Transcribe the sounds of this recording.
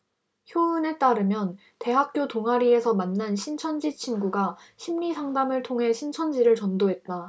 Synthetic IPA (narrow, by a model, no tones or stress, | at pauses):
çjoɯne̞t͈aɾɯmjʌn | te̞ɦak̚k͈jotoŋɦaɾie̞sʰʌmanːanɕʰint͡ɕʰʌnd͡ʑit͡ɕʰinɡuɡa | ɕʰimɲisʰaŋdamɯɭtʰoŋɦe̞ɕʰint͡ɕʰʌnd͡ʑiɾɯɭt͡ɕʌndoɦe̞t̚t͈a